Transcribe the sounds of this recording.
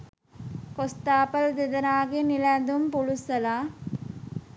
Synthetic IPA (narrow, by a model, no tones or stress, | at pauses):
kost̪aːpɐld̪ed̪ɐnaːɡeniland̪umpulusɐlaː